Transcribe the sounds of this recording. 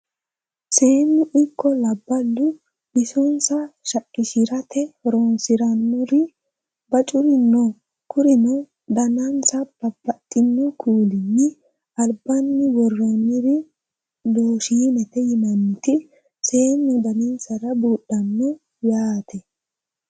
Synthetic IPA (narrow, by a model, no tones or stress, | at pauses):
se̞ːnːʊʔɪkʰːɔlɐbːɐlːʊ | bɪsɔnsɐʃɐkʼːɪʃɪɾɐt̪ʰɛɾoːnsɪɾɐnːɔɾɪ | bɐt͡ʃʼʊɾɪnːɔ | kʊɾɪnɔ | d̪ɐnɐnsɐb̥ɐb̥ɐt̪ʼːɪnːɔkʰuːlɪnːɪ | ɐlbɐnːɪwɔrːɔnːɪɾɪ | loːʃinɛt̪ɛjɪmɐnːɪt̪ɪ | se̞ːnːʊd̪ɐnɪnsɐɾɐbuːɗɐnːɔ | jaːt̪ʰɛ